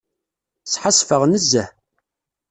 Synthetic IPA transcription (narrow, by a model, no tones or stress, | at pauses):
t͡sːħəsfəʁnəzːæ